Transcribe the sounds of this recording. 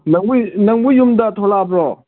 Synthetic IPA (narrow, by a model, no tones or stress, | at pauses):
naŋnaŋbujumd̪at̪ʰolapɹo